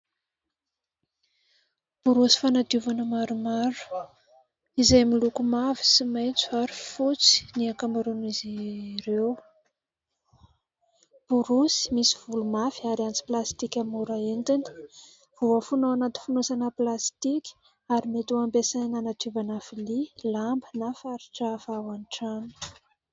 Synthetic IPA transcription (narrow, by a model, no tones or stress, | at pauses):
b̥uɾusi̥fanat̪uvanəmaɾumaɾu̥ | izajmilukumavi̥simajt͡su̥aɾifut͡si̥niakamaɾuniziɾew | b̥uɾusi̥misiv̥ulumafiaɾiant͡si̥plast̪ikʲamuɾaent̪ini̥ | v̥uəfunowanat̪infunosanəplast̪ikʲi̥ | aɾimet̪uampesajnanat̪ubanafililambənafaɾi̥ʈ͡ʂafawaniʈ͡ʂanu̥